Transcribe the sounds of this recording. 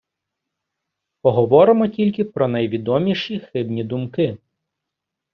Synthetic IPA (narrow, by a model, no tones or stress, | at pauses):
pɔɦɔʋɔɾɪmɔtʲilʲkɪpɾɔnɐjʋʲid̪ɔmʲiʃixɪbnʲid̪ʊmkɪ